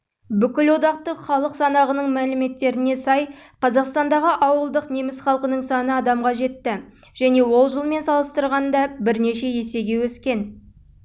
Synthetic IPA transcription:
bʏkʲɪlwo̞d̪ɑq̚t̪əχɑlˠəqsɑnɑʁənəɴmælɪme̞t̪ːe̞ɾɪne̞sɑjqʰɑzɑqst̪ɑnd̪ɑʁəʔɑwəlˠd̪əqnemɪsχɑlˠqənəɴsɑnəɑd̪ɑmʁɑʒe̞t̪ːɪ | ʒ̥æne̞wo̞lˠʒəlˠme̞nsɑlˠəst̪əɾʁɑnd̪ɑbɪɾne̞ʃe̞je̞se̞ɡʲe̞wɵskʲe̞n

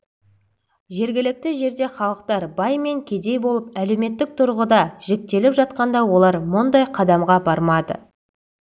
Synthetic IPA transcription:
ʒe̞ɾɡʲɪlɪk̚t̪ɪʒe̞ɾd̪e̞χɑlˠəqt̪ɑɾbɑjme̞ŋkʲʰe̞d̪e̞jbo̞lˠəpælewme̞t̪ːɪk̚t̪ʰʊɾʁəd̪ɑʒ̥ek̚t̪e̞lɪpʒɑt̪̚qɑnd̪ɑwo̞lˠɑɾmʊnd̪ɑjqʰɑd̪ɑmʁɑbɑɾmɑd̪ə̰

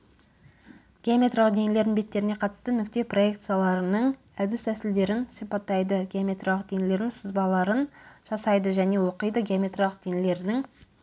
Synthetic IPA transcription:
ɡ̥ʲeomʲe̞t̪ralˠəqd̪e̞ŋɪle̞ɾd̪ɪŋbe̞t̪ːe̞ɾɪneqʰɑt̪ə̥st̪ənʏk̚t̪e̞pro̞e̞kt̪sɨjalˠɑɾənəɴ | æd̪ɪst̪æsɪld̪e̞ɾɪnsijpɑt̪ːɑjd̪əɡʲeamʲe̞t̪ralˠəq̚d̪eŋɪle̞ɾd̪ɪŋsəzbɑlˠɑɾənʒ̥ɑsɑjd̪əʒæne̞wo̞qəjd̪əɡʲeamʲe̞t̪ralˠəq̚d̪̥eŋɪle̞ɾd̪ɪŋ

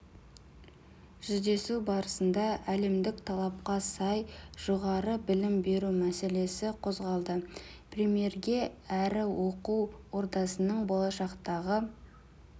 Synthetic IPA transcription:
ʒ̥ʏzd̪e̞subɑɾəsənd̪ɑæle̞md̪ɪkt̪ʰɑlˠɑp̚qɑsɑjʒ̥oʁɑɾəbɪlɪmbe̞ɾumæse̞le̞sɪqʰo̞zʁɑlˠd̪ə | prʲemije̞rɡʲe̞æɾɪwo̞quwwo̞ɾd̪ɑsənəɴbolˠɑʃɑqt̪ɑʁə

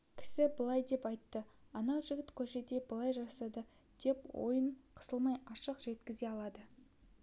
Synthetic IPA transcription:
kʲʰɪ̥sɪbəlˠɑjd̪e̞pɑjt̪ːəɑnɑwʒɪɡʲɪt̪kʲʰɵʃe̞d̪e̞bəlˠɑjʒɑsɑd̪ə | d̪̥e̞pwo̞̰jəɴqʰə̥səlˠmɑjɑʃəqʒe̞t̪kʲɪze̞ɑlˠɑd̪ə

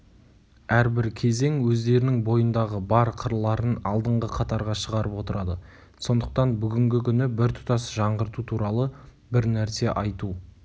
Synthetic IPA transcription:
æɾbɪɾkʲʰe̞ze̞ŋwɵzd̪e̞ɾɪnɪŋbo̞jənd̪ɑʁəbɑɾqʰəɾlˠːɑɾənɑlˠd̪əɴʁəqʰɑt̪ɑɾʁɑʃəʁɑɾəpo̞t̪əɾɑd̪ə | so̞nd̪əq̚t̪ɑnbʏɡʲɪŋɡʲɪkʲʰʏnɪbɪɾt̪ʰʊ̥t̪ɑsʒɑɴʁəɾt̪ut̪ʰuɾɑlˠə | bɪɾnæɾse̞ʔɑjt̪u

